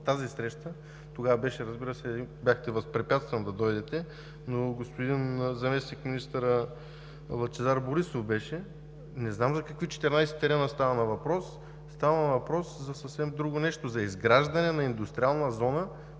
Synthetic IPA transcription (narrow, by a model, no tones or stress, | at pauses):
t̪azisɾɛʃt̪ə | t̪oɡavɐbɛʃɛɾɐzbiɾəsɛbʲjaxt̪ɛvɐspɾɛpʲjat̪st̪vɐnd̪ɐd̪ɔjd̪ɛt̪ɛ | noɡospod̪inzɐmɛsnikminist̪əɾə | lˠɐt͡ʃɛzaɾboɾisofbɛʃɛ | nɛznamzɐkɐkvit͡ʃɛ̥t̪ɛɾnajsɛ̥t̪ɛɾɛnəst̪avɐnɐvɐpɾɔsː | t̪avɐnɐvɐpɾɔszɐsɐfsɛmd̪ɾuɡonɛʃt̪ozɐizɡɾaʒd̪ɐnɛnɐind̪ust̪ɾialˠnəzɔnə